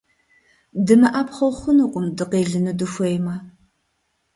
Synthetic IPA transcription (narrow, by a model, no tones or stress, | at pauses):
dɨmɐʔapχɐwχʷʊnɨqʷʼʊmdɨqeːɮɨnɨdɨfʷɔjmɐ